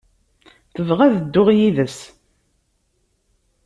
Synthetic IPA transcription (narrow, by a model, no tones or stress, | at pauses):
θəvʁæðəd̪ːʊʁjiðəs